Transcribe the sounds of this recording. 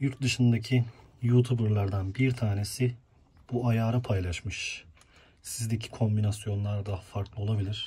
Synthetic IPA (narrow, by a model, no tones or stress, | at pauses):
juɾt̪̚d̪ɯʃɯnd̪acʰi | jut̪ʰubɯɾlˠaɾd̪anbiɾt̪ʰaːne̞sɪ | b̥uajaːɾapʰajlˠaʃmɯʃ | sizd̪ecʰi̥kʰo̞mbinasjo̞nlˠaɾd̪aɦafaɾklˠɯolˠabilʲiɾ̥